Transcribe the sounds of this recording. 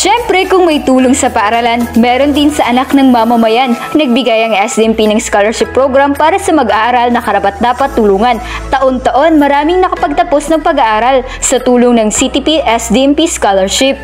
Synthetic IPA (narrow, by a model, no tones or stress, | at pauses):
ʃɛmpɾɛkʊŋmɐjt̪uːloŋsɐpɐʔɐɾɐlanmɛːɾo̞nd̪ɪnsɐʔɐnaknɐŋmɐmɐmɐjan | nɐɡ̚bɪɡajɐŋɛsd̪iʔɛmpinɐŋskalɛɹʃɪpːɾoɡɾampaːɾɐsɐmɐɡʔaːʔɐɾalnɐkɐɾɐpat̪̚d̪aːpɐt̪ːʊluːŋɐn | t̪ɐʔo̞nt̪ɐʔo̞nmɐɾaːmɪŋnɐkɐpɐɡ̚t̪ɐpo̞snɐŋpɐɡaʔaːɾal | sɐt̪uːloŋnɐŋsit̪ipiʔɛsd̪iːɛmpiskalɛɹʃɪp̚